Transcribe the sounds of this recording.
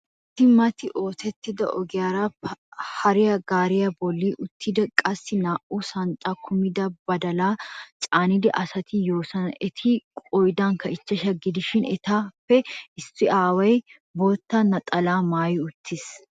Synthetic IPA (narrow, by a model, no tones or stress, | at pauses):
t̪ːɪmɐt̪ɪʔoːt̪ʰɛt̪ːɪd̪ɐ̰ʔɔ̰ɡɪjaːɾahɐɾɪjɐɡaːɾɪjɐbɔlːiːʔʊt̪ʰːɪd̪ɐkʼɐsːɪnaːʔuːsɐnt̪ʼakʰʊmɪd̪ɐbɐd̪ɐlaːt͡ʃʼaːnɪd̪ɛ̰ʔɐsɐt̪ɪjo̞ːsɐnɐʔɛt̪ʰɪkʼɔjd̪aːŋkɐɪt͡ʃːɐʃɐɡːɪd̪ɪʃɪnɛ̰t̪aːfːɛɪstːɪaːwɐj | boːt̪ːɐnɐt̪ʼɐlaːmaːjɪʊt̪ʰːɪs